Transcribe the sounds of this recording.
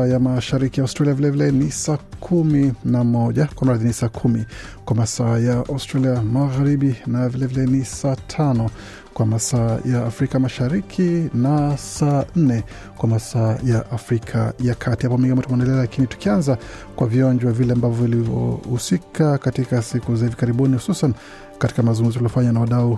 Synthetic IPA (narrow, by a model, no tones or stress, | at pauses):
jamaʃaɾikijauwstɾaliavilɛvilɛnisaːkʰuminamɔʄakwam̩ɾaðinisaːkʰumi | kwamasaːjaʔaustɾaliamaɣaɾiɓinavilɛvilɛnisaːtʰanɔ | kwamasaːjaːfɾikamaʃaɾikʰinasaːn̩nɛ | kwamasaːjaʔafɾikʰa̰jakʰatihapɔmĩŋɡimɔtumɔɛndɛlɛalakinitu̥kianza | kwaviɔɲd͡ʒwavilɛambavɔvilivɔ̰husikʰakatikasikuzahivikaɾiɓunihu̥susan | kati̥kamazuŋɡum̩zɔtuliɔfaɲanawaɗau